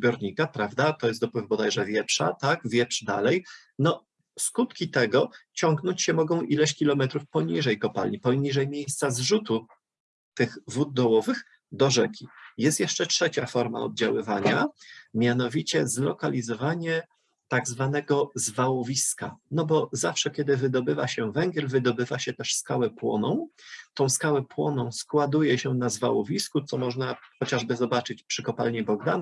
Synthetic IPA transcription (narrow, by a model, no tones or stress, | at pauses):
bʲjɔɾɲikapɾavd̪at̪ɔjɛst̪d̪ɔpwɘvbɔd̪ajʐɛvʲjɛpʂa̰t̪aɡvʲjɛpʂd̪a̰lɛj | nɔ | skut̪kʲit̪ɛɡɔt͡ɕɔŋɡnɔɲt͡ɕɕɛmɔɡɔ̃w̃ʔilɛɕkʲilɔmɛt̪ɾufpɔɲiʐɛjkɔpa̰lɲipɔɲiʐɛjmʲjejst̪sazʐut̪u | t̪ɘɣvud̪̚ːɔwɔvɘx | d̪ɔʐɛkʲijɛst̪jɛʂt͡ʂɛtʂɛt͡ɕafɔɾma̰ɔ̰b̪̚d͡ʑawɘvaɲamʲjan̪ɔvʲit͡ɕɛzlɔkalʲizɔvaɲɛ | t̪aɡzvanɛɡɔzvawɔvʲiska̰nɔbɔzafʂɛkʲɛd̪ɘvɘd̪ɔbɘvaɕɛvɛŋɡʲjɛlvɘd̪ɔbɘvaɕɛt̪ɛʂskawɛpwɔ̰nɔ̰̃w̃t̪ɔ̃w̃skawɛpwɔnɔ̃w̃skwad̪ujɛɕɛnazvawɔvʲiskut̪sɔmɔʐnaxɔt͡ɕaʐbɘzɔbat͡ʂɘt͡ɕpʂɘkɔpa̰lɲibɔɡd̪an